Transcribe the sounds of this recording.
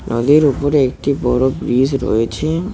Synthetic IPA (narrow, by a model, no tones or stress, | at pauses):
nɔ̰d̪iɾupoɾeek̚ʈibɔɾobɾizɾo̰jet͡ɕʰe